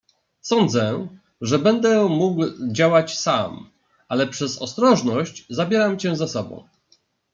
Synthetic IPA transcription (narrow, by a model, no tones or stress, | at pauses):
sɔnd̪zɛ | ʐɛbɛnd̪ɛmuɡwd͡ʑawat͡ɕsam | alɛpʂɛzɔ̰st̪ɾɔʐnɔɕt͡ɕzabʲjɛɾamt͡ɕɛ̃zasɔbɔ̰̃w̃